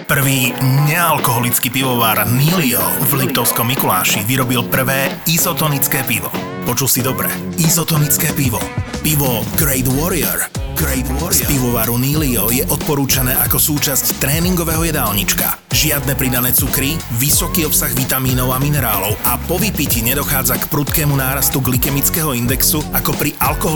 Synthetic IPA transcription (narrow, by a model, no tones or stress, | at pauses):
pr̩ʋiːɲɛalkɔɦɔlit͡skiːpiʋɔʋaːɾniːliɔ̰vlip̚t̪ɔʊskɔmːikula̰ːʃiʋiɾɔbilpr̩ʋɛːizɔt̪ɔnit͡skɛːpiʋɔ̰ | pɔt͡ʃulsid̪ɔbɾɛ̰ | izɔt̪ɔnit͡skɛːpiʋɔpiʋɔɡɾɛjd̪wɔɾiɛɾ | spiʋɔʋaɾuniːliɔjɛʔɔt̪̚pɔɾuːt͡ʃanɛːʔakɔsuːt͡ʃasct̪ɾɛːniŋɡɔʋɛɦɔjɛd̪aːlɲit͡ʃka̰ | ʒɪad̪̚nɛpɾid̪anɛːt͡sukɾiʋisɔkiːɔpsaɣʋit̪amiːnɔʊaminɛɾaːlɔʊapɔʋipiciɲɛd̪ɔxaːd͡zakpɾut̪kɛːmunaːɾast̪uɡlikɛmit͡skɛɦɔind̪ɛksuakɔpɾiʔalkɔɦɔ